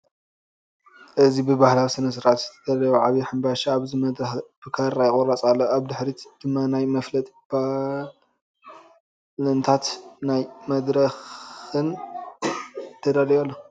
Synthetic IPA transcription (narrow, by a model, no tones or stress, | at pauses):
ʔɨzibɨbahlawisɨnɐs̬ɨɾat̪zɨt̪ʰɐd̪̥alɐjuʕaβiħambaʃaːβzimɐd̪ɾɐxb̥ɨkʰaɾajkʼoɾat͡sʼalːoaβd̪ɨħɾid̪̥ɨmːanajmɐflɐt̪ʼb̥a | lɐnt̪ʰat̪najmɐd̪ɾɐxɨn | t̪ʰːɐd̪alɐjalːo